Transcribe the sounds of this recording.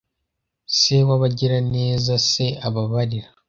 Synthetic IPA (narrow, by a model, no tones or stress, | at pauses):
se̞waβaɟiɾane̞ːzase̞aβaβaɾiɾa